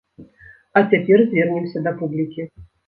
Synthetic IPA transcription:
ɐt͡sʲapʲɛrzʲvʲɛrnʲɛmsʲɐd̪ɐpublʲikʲi

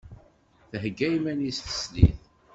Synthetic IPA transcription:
θəɦɡːæjmænisθə̥slḭθ

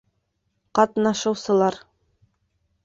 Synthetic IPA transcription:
qɑt̪nɑʃɤ̆wsɤ̆lˠɑɾ

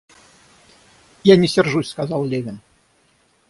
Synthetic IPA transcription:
janʲɛsʲɛrʐusʲskazɑlˠlʲevʲɪn

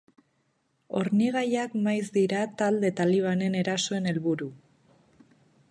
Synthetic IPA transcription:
o̞̰ɾniɣ̞ajakmajzd̪iɾat̪ald̪e̞t̪aliβ̞ane̞ne̞ɾaso̞e̞ne̞lβuɾu

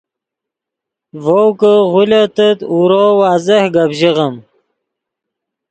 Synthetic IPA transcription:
vowkəʁulet̪ət̪uɾowaːzehɡabʑiʁəm

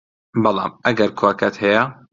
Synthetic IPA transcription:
bɑlˠɑ̰ːmʔɐɡɐɾkʰokʰɐt̪hɛja

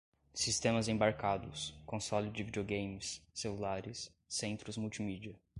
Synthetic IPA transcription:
sist̪ẽmɐzẽbaɾkad̪ʊskõsɔlɪd͡ʒɪvid͡ʒeoɡẽjmɪsːelulaɾɪsː | ẽnt̪ɾʊzmuwt͡ʃimid͡ʒiɐ

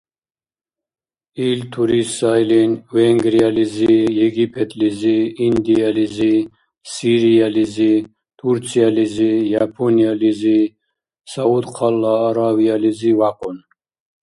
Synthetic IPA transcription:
ilt̪ʰuɾisajlinvɛŋɡɾializijɛɡipʰɛt̪ʰʼliziːnd̪ializi | siɾializi | t̪ʰuɾt͡sʰializijapʰɔnializi | saud̪qʰalːaːɾavializivaqʼɔn

